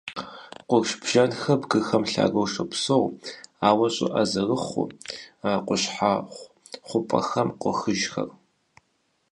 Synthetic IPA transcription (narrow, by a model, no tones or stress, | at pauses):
qʷʊɡʃbʒ̥ɐnxɐbɡɨxɐmɬa̰ːɡowʂɐpsowaːwɐɕʼɪ̰ʔɐzɐrɨχʷʊ̰aqʷʊɕħa | χʷʊpʼɐ̰xɐmqʷʊxɨʒxɐ̰r